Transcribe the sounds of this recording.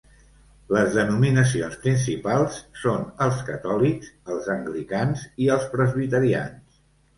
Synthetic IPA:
ləzðənuminəs̬ionspɾins̬ipalˠsːonəlˠskət̪ɔlikzəlˠzəŋɡlikanziəlˠspɾəzβit̪əɾia̰ns

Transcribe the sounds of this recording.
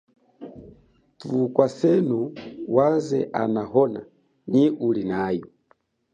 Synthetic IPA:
tukwasɛnuwazɛ̰ʔa̰naɦɔna | ɲiulinajɔ

